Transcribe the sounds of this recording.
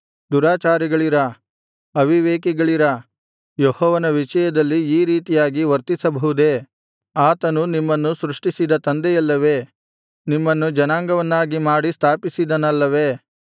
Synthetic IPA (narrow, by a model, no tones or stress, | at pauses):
d̪uɾaːt͡ʃaːɾiɡɐɭiɾɐ | ɐʋʱiʋeːkiɡɐɭiɾɐ | jɔhɔːʋɐnɐʋiʂɐjɐd̪ɐlːiːɾiːt̪ijaːɡiʋɐɾt̪isɐbʱɐɦud̪e | aːt̪ɐnunimːɐnːusɾuʂʈisid̪ɐt̪ɐnd̪ɛjɐlːɐʋe̞ː | nimːɐnːud͡ʒɐnaːŋɡɐʋɐnːaːɡimaːɽist̪ʰaːpisid̪ɐnɐlːɐʋeː